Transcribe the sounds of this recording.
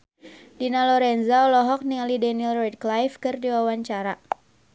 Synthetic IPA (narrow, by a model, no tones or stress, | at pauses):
dinalɔɾɛnzaɔlɔɦɔk̚niŋalidɛniɛlrɛt̚klajfkɨrdiwawaɲt͡ʃaɾa